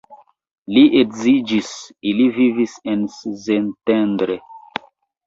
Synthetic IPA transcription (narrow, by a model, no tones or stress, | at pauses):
liʔekzid͡ʒisilivivisenszentendɾe